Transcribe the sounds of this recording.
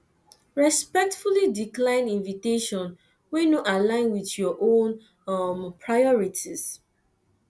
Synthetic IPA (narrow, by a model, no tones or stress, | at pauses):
ɹɛspɛk̚tfulidiklãɪ̃nĩnviteʃɔ̃n | wenuʔalãɪ̃nwiθjɔʔõn | mpʰɹajɔɹitʰis